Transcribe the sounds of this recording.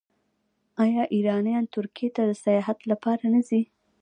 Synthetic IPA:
ɑjɑʔiɾɑnjɑnt̪ʊɾkijet̪ad̪əsajɑɦat̪lapɑɾanəzi

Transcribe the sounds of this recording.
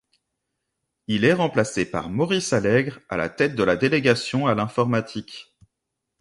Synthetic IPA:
ilɛʁɑ̃plasepa̰ʁmɔʁisalɛɡʁa̰la̰t̪ɛt̪̚d̪əlad̪eleɡasjɔ̃alɛ̃fɔʁmat̪ʰik

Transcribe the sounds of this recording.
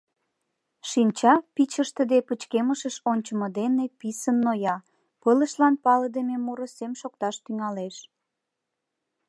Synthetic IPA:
ʃinʲt͡ɕɑpit͡ɕəʃt̪əd̪epət͡ɕkeməʃəʃonʲt͡ɕəməd̪enepisənːojɑ | pələʃlɑnpɑləd̪ememuɾosemʃokt̪ɑʃt̪yŋɑleʃ

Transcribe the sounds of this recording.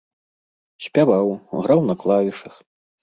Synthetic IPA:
ɕʲpʲavawɣɾawnɐklˠavʲiʂɐx

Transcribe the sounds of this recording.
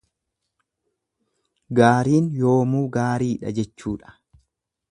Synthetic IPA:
ɡaːɾiːnjoːmuːɡaːɾiːᶑɐ̰d͡ʒɛt͡ʃːuːᶑɐ̥

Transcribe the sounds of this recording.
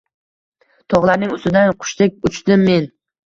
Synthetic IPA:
t̪ʰɒʁlˠaɾnɪŋʊst̪ɪd̪anqʰʊ̥ʃt̪ek̚ʲʊt͡ʃt̪ɪmːe̞n

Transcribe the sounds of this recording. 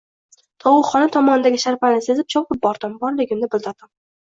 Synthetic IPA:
t̪ʰɒwʊχɒnat̪ʰɒmɒnɪd̪aɡʲɪʃaɾpalnɪsezɪp̚t͡ʃʰopɪp̚bɒɾd̪̥ɪmbɒɾlɪɡʲɪmnɪbɪlˠd̪ɪɾd̪ɪm

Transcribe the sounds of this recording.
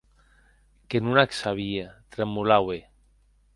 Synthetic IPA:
kenunaksaβiat̪ɾamulawe

